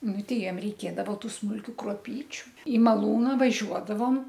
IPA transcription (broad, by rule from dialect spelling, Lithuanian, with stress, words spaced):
ˈnʊ ˈtʲɛɪ ˈjiɛm rʲɛɪˈkʲeːdɐʋoː ˈtuː smʊlʲˈkʲuː kruɔˈpʲiːt͡ʃʲʊ iː mɐˈlˠuːnɐ ʋɐˈʒʲuɔdɐʋoːm